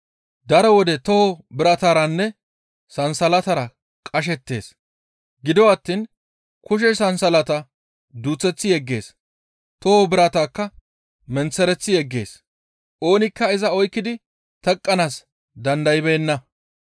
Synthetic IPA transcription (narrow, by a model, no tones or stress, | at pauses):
d̪ɐɾɔwɔd̪ɛt̪ɔhɔbɪɾɐt̪aːɾɐnːɛ | sɐnsɐlɐt̪ɐɾɐ | kʼɐʃ̬ɛt̪ːe̞ːs | ɡɪd̪ɔwɐt̪ːiːn | kʊʃ̬ɛsɐnsɐlɐt̪ɐ | d̪uːt͡sːɛt͡sːɪjɛɡːe̞ːs | t̪ɔhobɪɾɐt̪aːkːɐ | mɛnt͡sːɛɾɛt͡sːɪjɛɡːe̞ːs | ʔo̞ːnɪkːɐɪzɐɔjkːɪd̪ɪ | t̪ɛkʼːɐnaːs | d̪ɐnd̪ɐjɪbeːnːɐ